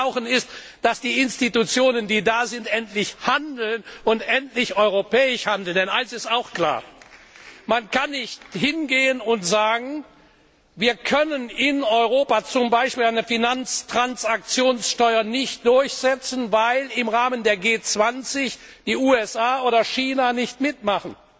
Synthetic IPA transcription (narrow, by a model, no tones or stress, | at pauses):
ʊxənɪst | d̥asd̥iːɪnstitut͡sjoːnəndiːdaːzɪntʔɛntlɪçhandl̩nʔʊntʔɛntlɪçɔʏʁopɛːɪʃhandl̩ndɛnʔaɪnsɪstaʊxkl̥a̰ːɐ | mankanːɪçthɪnɡeːənʊntz̥aːɡŋ̩ | viːɐkʰœnənɪnɔʏʁoːpat͡sʊmbaɪʃpiːlaɪnəfinant͡stʁ̥ant͡sak̚t͡sjoːnsʃtɔʏɐnɪçt̚d̥ʊɐçz̥ɛt͡sn̩vaɪlɪmʁaːməndeːɐɡeːt͡sv̥ant͡sɪç | d̥iːuːɛsaːʔoːɾɐʃiːnanɪçtmɪtmaχn̩